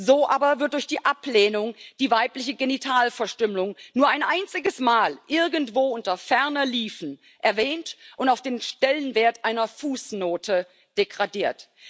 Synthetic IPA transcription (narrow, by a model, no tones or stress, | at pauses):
zoːʔaːbɐvɪɐtd̥ʊɐçd̥iːʔapleːnʊŋd̥iːvaɪplɪçəɡenitʰaːlfɛɐʃtʏmlʊŋnuːɐaɪnʔaɪnt͡sɪɡəsmaːlʔɪɐɡn̩tv̥oːʔʊntɐfɛɐnɐliːfn̩ | ʔɛɐvɛːntʔʊntaʊfd̥eːnʃtɛlənveːɐtʔaɪnɐfuːsnoːtʰə | d̥eɡʁadiːɐt